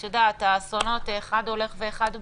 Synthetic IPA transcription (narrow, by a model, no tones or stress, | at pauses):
edat̪asono̞t̪eχad̪o̞le̞χveeχad̪